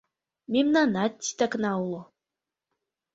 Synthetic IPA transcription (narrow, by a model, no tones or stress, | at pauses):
mʲemnanat̪ʲːi̥t̪aknɑulˠo